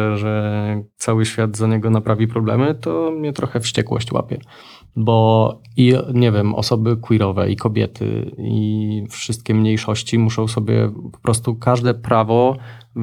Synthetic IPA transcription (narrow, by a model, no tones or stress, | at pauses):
ʐɛt̪sawɘɕfʲjad̪zaɲɛɡɔnapɾavʲipɾɔblɛmɘt̪ɔmɲɛt̪ɾɔxɛfɕt͡ɕɛkwɔ̰ɕt͡ɕwa̰pʲjɛ | bɔ | iɲɛvʲjɛmɔ̰sɔbɘkwiɾɔvɛ̰ʔikɔbʲjɛ̰t̪ʰɘ̰iḭfʂɘst̪̚kʲɛmɲejʂɔɕt͡ɕimuʂɔ̃w̃sɔbʲjɛ̰pɔ̥pɾɔst̪ukaʐd̪ɛpɾavɔ